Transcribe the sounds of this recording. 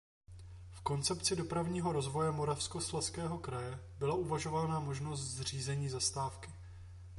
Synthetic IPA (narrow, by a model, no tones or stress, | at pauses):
fko̞nt͡sɛpt͡sɪdo̞pɾavɲiːɦo̞ɾo̞zvo̞jɛmo̞ɾafsko̞slaskɛːɦo̞kɾajɛ | bɪlaʔuvaʒo̞valnaːmo̞ʒno̞st̪zr̝iːzɛɲiːzast̪aːfkɪ